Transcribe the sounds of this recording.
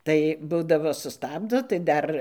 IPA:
ˈtɐɪ ˈbuːdɐʋoː sʊˈstɑːbdoː tɐɪ ˈdɐr

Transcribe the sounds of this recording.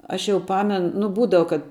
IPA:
ˈɐʃ jɛʊ ˈpɑːmʲɛn nʊ ˈbuːdɐʋɐ kɐt

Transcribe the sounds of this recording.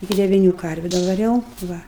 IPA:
ɪˈkʲɪ dʲɛʋʲɪˈnʲuː ˈkɐrʲʋʲʊ dɐʋɐˈrʲɛʊ ˈʋɐ

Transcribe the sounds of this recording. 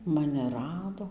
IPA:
ˈmɑːnʲɪ ˈrɑːdoː

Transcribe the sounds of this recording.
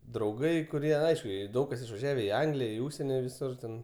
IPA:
drɐʊˈɡɐɪ kʊˈrʲiɛ ˈɐɪʃkʊ ˈjiɛ ˈdɐʊk kɐs ɪʃʋɐˈʒʲæːʋʲɛ ɪ ˈɐŋɡlʲɪjɛ ɪ ˈuːʃʲsʲɛnʲɪ ʋʲɪˈsʊr tʲɛn

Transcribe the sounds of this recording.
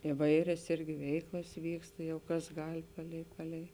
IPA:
ɪˈʋɐɪrʲɛs ˈɪrʲɡʲɪ ˈʋʲɛɪklˠɐs ˈʋʲiːkstɐ ˈjɛʊ ˈkɐs ˈɡɐlʲ ˈpɑːlʲɛɪ ˈpɑːlʲɛɪ

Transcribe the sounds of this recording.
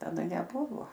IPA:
tɐˈdɐ nʲɛˈbʊʋoː

